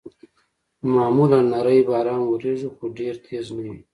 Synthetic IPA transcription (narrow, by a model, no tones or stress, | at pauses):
mɑːmulanːaɾajbɑːɾɑːnwuɾeʐuxoɖeɾt̪ʰeznawi